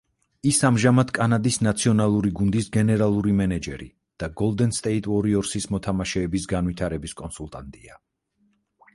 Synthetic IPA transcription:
isamʒamad̪kʼanad̪isnat̪sʰiɔnalˠuɾiɡund̪isɡɛnɛɾalˠuɾimɛnɛd͡ʒɛɾḭ | d̪̥aɡɔlˠd̪ɛnst̪ʼɛit̪ʼɔɾiɔɾsismɔt̪ʰamaʃɛːbisɡanwit̪ʰaɾɛbiskʼɔnsulˠt̪ʼant̪ʼia

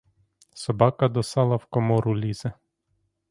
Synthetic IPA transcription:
sɔbɑkɐd̪ɔsɑlˠɐwkɔmɔɾʊlʲizɛ

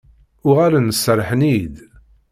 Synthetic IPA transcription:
ʊʁaɾanəsːəɾˤħnid̪

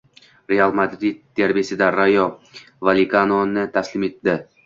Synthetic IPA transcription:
ɾealˠmad̪ɾid̪̚d̪eɾbesɪd̪aɾajɒ | valʲikanonɪt̪ʰaslɪme̞t̪ːɪ

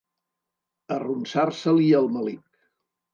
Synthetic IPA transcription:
ərunsarsəliəlˠməlik

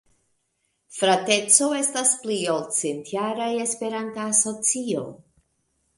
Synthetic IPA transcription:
fɾate̞t͡so̞e̞staspliolt͡sentjaɾaje̞spe̞ɾantaːso̞t͡sio̞

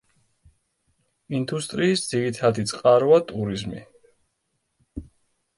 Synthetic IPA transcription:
ind̪ust̪ʼɾiːsd̪z̥iɾit̪ʰad̪it̪sʼqʼaɾɔat̪ʼuɾizmḭ

